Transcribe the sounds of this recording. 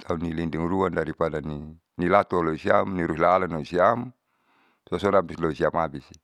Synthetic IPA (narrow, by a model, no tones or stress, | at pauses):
t̪ʰaunːilinduŋruandaɾipadani | nilat̪uɔlɔisiamniɾuɦilalanɔisiam | sɔsɔnabislɔisiamabisi